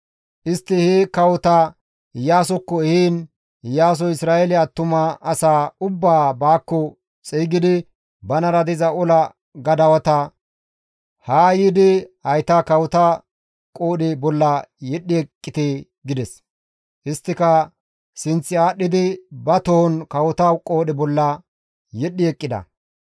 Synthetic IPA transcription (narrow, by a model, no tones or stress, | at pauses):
ʔɪst̪ːɪhekɐwʊt̪ɐ | jaːsɔkːɔhiːn | jaːs̬ɔɪsɾaːeɛlɪɐt̪ːʊmɐɐsaːʊbːaːbaːkːɔ | t͡sʼiːɡɪd̪ɪ | bɐnɐɾɐd̪ɪzɐɔlɐ | ɡɐd̪ɐwɐt̪ɐ | haːjid̪ɪhɐjt̪akɐwʊt̪a | kʼo̞ːɗɪbɔlːɐjɛɗːɪɛkʼːɪt̪eː | ɡɪd̪ɛs | ʔɪst̪ːɪkɐ | sɪnt͡sːɪaːɗːɪd̪ɪbɐt̪ɔhɔnkɐwʊt̪ɐkʼoːɗɛbɔlːɐ | jɛɗːɪɛkʼːɪd̪ɐ̰